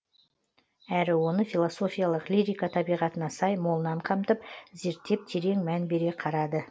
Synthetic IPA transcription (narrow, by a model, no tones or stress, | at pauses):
æɾɪwo̞nəfilˠoso̞fʲijalˠəqliɾʲijkat̪ʰɑbijʁɑt̪ənɑsɑjmo̞lˠənɑɴqʰɑmt̪əp̚ze̞ɾt̪ːe̞p̚t̪ʰe̞ɾe̞ŋmænbe̞ɾe̞qʰɑɾɑd̪ə